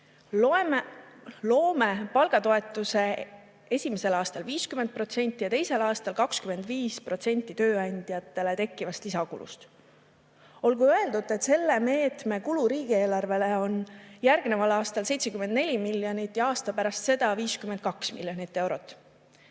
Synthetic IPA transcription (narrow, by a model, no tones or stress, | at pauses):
lo̞ːmepɑlɡ̥ɑt̪o̞e̞t̪ːˑuse̞ | e̞sʲimese̞lɑːst̪ɑlviːskymen̚pro̞t̪se̞nʲt̪ːˑijɑt̪e̞jse̞lɑːst̪ɑlkɑkskyme̞nd̪viːspro̞t̪se̞nʲt̪ːˑit̪ø̞ːɑnʲd̪̥jɑt̪ːˑe̞le̞t̪e̞kˑːivɑst̪isɑkṵlʔṵst̪ | o̞lɡuøeld̪ud̪e̞t̪se̞lːe̞me̞ːt̪me̞kuluɾiːɡ̥ie̞ːlɑrve̞le̞o̞njærɡ̥nevɑlɑːst̪ɑlse̞jt̪se̞kymːend̪ne̞lʲimilːjo̞nit̪ːˑjɑɑːst̪ɑpæɾɑst̪se̞d̪ɑviːskyment̪̚kɑksmḭlʲːjo̞nit̪ːe̞wɾo̞t̪ːˑ